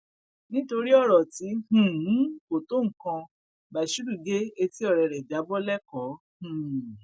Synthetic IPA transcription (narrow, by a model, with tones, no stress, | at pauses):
nĩ˦to˧ɾi˦ɔ˦˨ɾɔ˨ti˨˦h̩˨˦ko˨to˦ŋ̩˨kã˧ | ba˨ʃu˦ɾu˦˨ɡe˦e˧ti˦ɔ˦˨ɾɛ˨ɾɛ˨da˨˦bɔ˦lɛ˦kɔ˨˦ | hũ˨